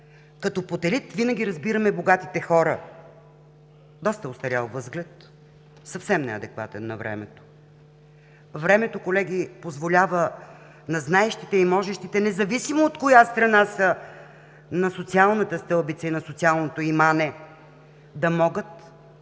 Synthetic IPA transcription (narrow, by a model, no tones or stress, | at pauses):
kɐt̪opot̪ɛlit̪vinəɡ̟ʲiɾɐzbiɾɐmɛboɡat̪it̪ɛxɔɾə | d̪ɔst̪əost̪ɐɾʲjalˠvɤzɡlɛt̪ | sɐfsɛmnɛ̰ɐ̰d̪ɛkva̰t̪ɛnːɐ̰vɾɛ̰mɛ̰t̪o̥ | vɾɛmɛt̪okolɛɡ̟ipozvolʲavə | nɐznaɛʃt̪it̪ɛimɔʒɛʃt̪it̪ɛnɛzɐvisimoːt̪kojast̪ɾɐnasə | nɐsot̪sialˠnət̪əst̪ɤlˠbit̪sɐinɐsot̪sialˠnot̪oimanɛ | d̪ɐmɔɡət̪